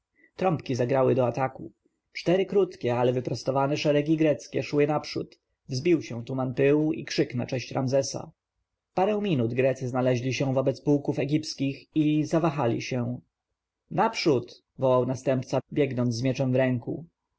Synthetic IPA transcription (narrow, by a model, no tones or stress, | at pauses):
t̪ɾɔmpkʲizaɡɾawɘd̪ɔat̪aku | t͡ʂt̪ɛɾɘkɾut̪kʲɛalɛvɘpɾɔst̪ɔvanɛʂɛɾɛɡʲiɡɾɛt̪skʲɛʂwɘnapʂṵt̪ | vzbʲiwɕɛ̃t̪umanpɘwḭkʂɘkna̰t͡ʂɛ̃ɕt͡ɕɾanzɛsa̰ | paɾɛ̃w̃mʲinud̪ɡɾɛt̪sɘznalɛʑlʲiɕɛ̃vɔbɛt̪spuwkufɛɡʲipskʲixizavaxalʲḭɕɛ̃ | napʂut̪ | vɔwawnast̪ɛmpt̪sabʲjɛɡnɔnzːmʲjɛt͡ʂɛmvɾɛŋku